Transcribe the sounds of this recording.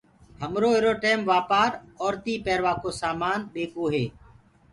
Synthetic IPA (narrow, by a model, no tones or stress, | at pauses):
həmɾoːeːɾoːʈeːmʋaːpaːɾɔːɾt̪iːpɛːɾʋaːkoːsaːmaːnɗeːkoːɦeː